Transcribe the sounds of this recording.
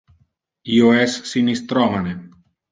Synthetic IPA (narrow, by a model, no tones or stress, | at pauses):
ioɛssinist̪ɾɔmane